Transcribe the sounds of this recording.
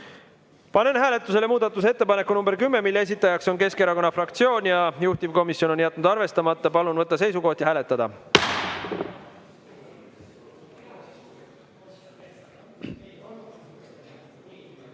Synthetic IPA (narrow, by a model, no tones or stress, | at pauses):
pɑne̞nhæːle̞t̪ːˑuse̞le̞muːd̪ɑt̪ːˑus̬e̞t̪ːe̞pɑne̞kːˑunumbe̞ɾkymːe̞milːees̬it̪ːˑɑjɑkso̞nke̞ske̞ɾɑko̞nːɑfrɑkt̪sio̞ːnʲjɑjuht̪ivko̞misjo̞no̞njæt̪̚ːˑnud̪ɑrve̞st̪ɑmɑt̪ːˑɑpɑlunvɤt̪ˑːɑse̞jsuko̞ht̪ihæːle̞t̪ˑːɑd̪̥ɑ